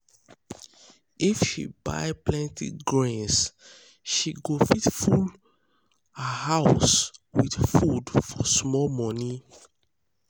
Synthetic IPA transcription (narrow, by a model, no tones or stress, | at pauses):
ifʃḭba̰ɪplɛ̃ntḭɡɹãns | ʃiɡofitful | hahaʊswidfudfɔsmɔlmɔni